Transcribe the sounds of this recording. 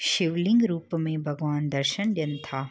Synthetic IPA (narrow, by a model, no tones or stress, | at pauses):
ʃɪʋlɪ̃ŋɡɾuːpmẽbʱɐɡʋaːnd̪ɐɾʃənɗjənɪ̆t̪ʰaː